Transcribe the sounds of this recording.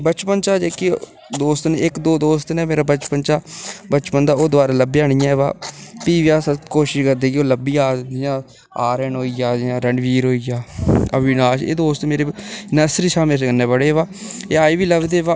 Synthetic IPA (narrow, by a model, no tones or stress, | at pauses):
bət͡ʃpənt͡ʃaːd͡ʒeːke | d̪oːst̪neɪkd̪oːd̪oːst̪nẽːmeːɾaːbət͡ʃpənt͡ʃaːbət͡ʃpənd̪aːoːd̪ʊʋaːɾaːləbiaːɽ̃ɪjãːeːʋaːpiːʋjaːskoːʃɪʃkəɾd̪eːkoːləbiːaːd̪ɪjãː | aːɾɛɳɦoːijaːãːɾəɳɖʋiːɾɦoːijaːə̰bɪnaːʃḛːd̪oːst̪meːɾeːnəsɾiːʃaːmɪlskənːeːbəɽeːʋaːeːaːiːbiːləɡd̪eːʋaː